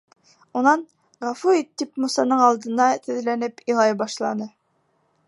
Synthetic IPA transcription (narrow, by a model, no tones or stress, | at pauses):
unɑn | ʁɑfuit̪ːipmusɑnɤɴɑlˠd̪ɤ̆nd̪ɑt̪ʰɘ̆ðlænɘpilˠɑjbɑʃlˠɑnɤ